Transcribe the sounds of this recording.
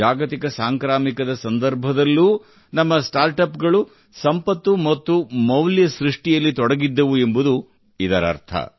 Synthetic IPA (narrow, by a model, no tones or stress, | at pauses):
aːɡɐt̪ikɐsaːŋkɾaːmikɐd̪ɐsɐnd̪ɐɾbʱɐd̪ɐlːuː | nɐmːɐsʈaːɾʈɐpɡɐɭu | sɐmpɐt̪ːumɐt̪ːumɐwljɐsɾiʂʈijɐlːit̪ɔɽɐɡid̪ːɐʋue̞mbud̪u | id̪ɐɾɐ̰ɾt̪ʰɐ̰